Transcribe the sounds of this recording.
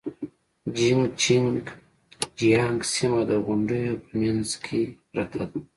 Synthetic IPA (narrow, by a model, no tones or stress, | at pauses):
d͡ʒiŋɡt͡ʃiŋɡ | d͡ʒijɑŋɡsimad̪əɣʊɳɖəjopʰəmjanzkʰe | ɾat̪ʰad̪